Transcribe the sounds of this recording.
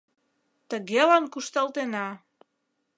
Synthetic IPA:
t̪əɣelɑnkuʃt̪ɑlt̪enɑ

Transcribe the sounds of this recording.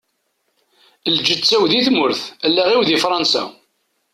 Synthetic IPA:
ld͡ʒət͡sːæwðiθmʊɾθælːæʁiwðifɾˤɑnsæ̰

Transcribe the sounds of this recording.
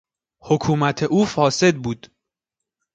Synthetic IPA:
hokʰuːmæt̪ʰe̞ʔuːfɒːse̞d̪̚buːd̪̥

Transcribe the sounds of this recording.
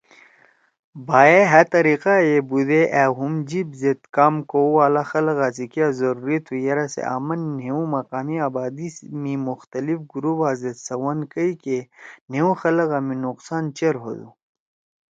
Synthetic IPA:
baːeɦɐt̪ɐɾiqajebud̪eʔɛɦumd͡ʑibzet̪kaːmkowaːlaxɐlɣaːsikijazɐɾuɾit̪ʰujɐɾasḛʔa̰ːmɐnːeũmɐqaːmiaːbaːd̪imimuxt̪ɐlifɡuɾubaːzet̪sɐwɐnkəikeneũxɐlɐɣaːmĩnuqsaːnt͡ʃeɾɦo̰d̪ṵ

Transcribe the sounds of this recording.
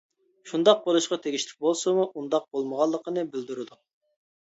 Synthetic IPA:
ʃund̪ɑq̚bolˠuʃqɑt̪ʰeɡʲiʃt̪ʰɪ̥k̚ʲbolˠsɨmuʔund̪ɑq̚bolˠməʁɑlˠːəqənɨbɪld̪uɾɨd̪u

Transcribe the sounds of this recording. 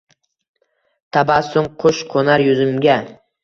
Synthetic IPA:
t̪ʰabasʊɴqʰʊʃqʰonaɾjʊzɪmɡʲa

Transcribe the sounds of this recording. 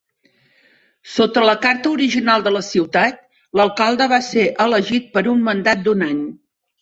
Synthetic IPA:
sot̪ələkaɾt̪əuɾiʒinalˠd̪ələsiwt̪at̪̚ | ləlˠkalˠd̪əβaseʔələʒit̪̚pəɾummənd̪at̪̚d̪unaɲ

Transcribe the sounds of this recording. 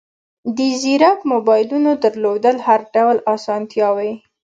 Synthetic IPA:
d̪əziɾakmobɑjlunod̪əɾlod̪əlhaɾɖawlɑsɑnt̪jɑwaj

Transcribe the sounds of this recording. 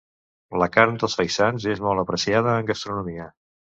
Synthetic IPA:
ləkaɾnd̪əlˠsfəjsanzezmɔlˠt̪əpɾəsiað̞əːŋɡəst̪ɾunumiə

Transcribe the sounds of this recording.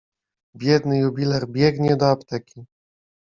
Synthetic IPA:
bʲjɛd̪nɘjubʲilɛɾbʲjɛɡɲɛd̪ɔapt̪ɛkʲi

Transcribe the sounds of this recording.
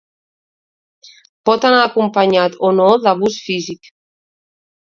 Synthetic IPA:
pɔt̪anaːkumpaɲat̪onoðaβ̞usfizik

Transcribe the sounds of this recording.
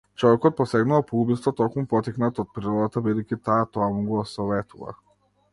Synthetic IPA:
t͡ʃɔvɛkɔt̪̚pɔsɛɡnuvapɔubist̪vɔt̪ɔkmupɔt̪iknat̪ɔt̪̚pɾiɾɔd̪at̪abid̪ɛjkʲit̪aːt̪ɔamuɡɔsɔvɛt̪uva̰

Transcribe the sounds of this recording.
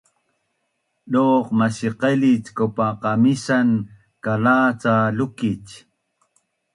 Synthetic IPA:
ɗoːqmasiqelit͡skopaqɑmisan | kalaːt͡salʊkit͡ʃ

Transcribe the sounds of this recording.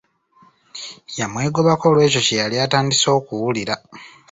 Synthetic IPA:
jamwe̞ːɡo̞βako̞lwe̞ːco̞cejaliataːndiso̞ːkuwuliɾa

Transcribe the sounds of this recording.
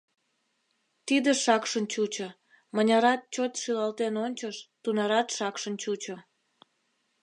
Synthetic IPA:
t̪id̪əʃɑkʃənt͡ɕut͡ɕo | mənʲɑɾɑt̪̚t͡ɕot̪ʃilɑlt̪enonʲt͡ɕəʃt̪unɑɾɑt̪ʃɑkʃənt͡ɕut͡ɕo

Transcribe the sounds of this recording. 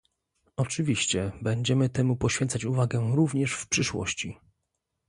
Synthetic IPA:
ɔt͡ʂɘvʲiɕt͡ɕɛbɛɲd͡ʑɛmɘt̪ɛmupɔɕfʲɛnt̪sat͡ɕuvaɡɛɾuvɲɛʂfpʂɘʂwɔ̰ɕt͡ɕi

